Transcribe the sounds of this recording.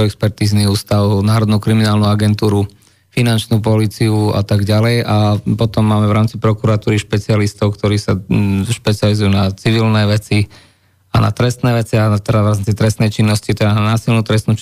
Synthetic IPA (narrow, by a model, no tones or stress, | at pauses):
ɛkspɛɾt̪iːzniuːst̪aʊnaːɾɔd̪nuʊkɾiminaːlnuaɡɛnt̪uːɾu | finant͡ʃnuːp̬ɔliːt͡siua̰t̪aɡɟalɛjapɔt̪ɔmːaːmɛʋɾaːmt͡sipɾɔkuɾat̪uːɾiʃpɛt͡sialist̪ɔʊkt̪ɔɾiːsaʃpɛt͡sializujunat͡siʋilnɛːʋɛt͡si | ana̰t̪ɾɛst̪nɛːʋɛt͡siat̪ɛdaʋɾaːmt͡sit̪ɾɛst̪nɛjt͡ʃinːɔscit̪ɛd̪ananaːsilnut̪ɾɛst̪nu